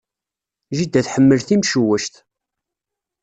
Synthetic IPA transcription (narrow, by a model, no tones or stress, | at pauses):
ʒid̪ːæθħəmːəlθimʃəwəʃt̪